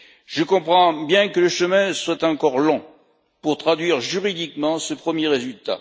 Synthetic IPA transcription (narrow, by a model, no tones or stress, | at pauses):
ʒəkɔ̃pχɑ̃bjɛ̃kələʃəmɛ̃swat̪ɑ̃kɔʁlɔ̃ | puʁt̪χad̪ɥiʁʒyʁid̪ikmɑ̃səpχəmjeʁezylt̪a̰